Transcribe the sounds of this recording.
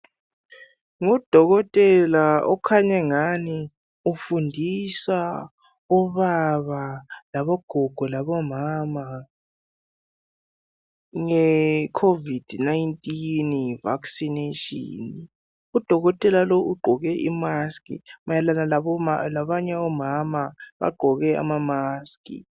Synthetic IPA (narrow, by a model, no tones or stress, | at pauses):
ŋɔd̥ʱɔɣɔtʼɛlaɔkʰaɲɛŋani | ufundʱisa | ɔβaβalaβɔɡ̥ʱɔɡ̥ʱɔlaβɔmama | ŋɛkʰovid̥najntʼinjiva̰ksineʃʼḭn | ud̥ʱɔɣɔtʼɛlaloʔuɡ͡ǃʱɔɣɛʔimaskʼḭmajalanalalaβaɲɛɔmamaβa̰ɡ͡ǃʱɔɣɛa̰mamaskʼḭ